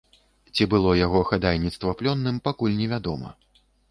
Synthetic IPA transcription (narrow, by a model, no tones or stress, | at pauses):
t͡sʲibɨlˠɔjaɣɔxad̪ajnʲit̪st̪vɐplʲɔnːɨmpakulʲnʲɛvʲad̪ɔmɐ̰